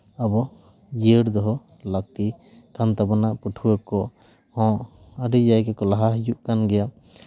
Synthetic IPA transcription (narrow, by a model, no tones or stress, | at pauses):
abɔ | d͡ʒiəɾd̪ɔɦɔ | lak̚t̪i | kant̪abanaʔpuʈʰuwəkɔ | hɔ̃ | əɖid͡ʒajkɛkɔlaɦaɦjuʔkanɡɛja